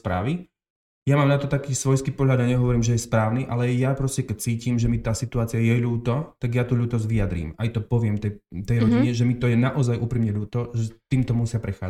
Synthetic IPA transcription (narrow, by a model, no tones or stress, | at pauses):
spɾa̰ːʋi | jamaːmnat̪ɔt̪akiːsʋɔjskiːpɔɦlʎad̪aɲɛɦɔʋɔɾiːmʒɛjɛspɾaːʊniʔalɛjapɾɔscɛkɛct͡siːcimʒɛmit̪aːsit̪uaːt͡siɪajɛʎuːt̪ɔt̪aɡjat̪uːʎuːt̪ɔzʋiad̪ɾḭːmajt̪ɔpɔʋɪɛmt̪ɛt̪ɛjɾɔɟiɲɛʒɛmit̪ɔjɛnaʔɔzajʔuːpɾiːmɲɛʎuːt̪ɔʒɛt̪iːmt̪ɔmusɪapɾɛxa̰ːd͡za